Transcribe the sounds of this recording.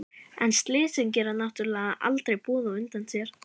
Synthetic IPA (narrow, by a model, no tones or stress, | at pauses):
ɛnst̪lɪːsʏnc̬ɛːɾanaht̪ʏɾlɛːɣaʔa̰lt̪ɾejpɔːðaʏnt̪ansjɛɾ̥